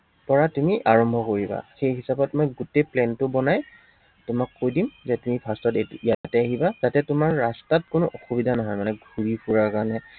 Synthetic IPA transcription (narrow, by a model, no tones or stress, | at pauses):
pɔɹatumiʔaɹɔmbʱɔkoɹiba̰xejɦisabɔtmɔjɡutejplɛntʊbɔnaj | tʊmakːojdimzɛtumipʰastɔtijatɛaɦibaz̥atɛtʊmaɹːastat̚kʊnʊʔɔxubidʱanɔɦɔjmanɛɡʱuɹipʰuɹakanɛ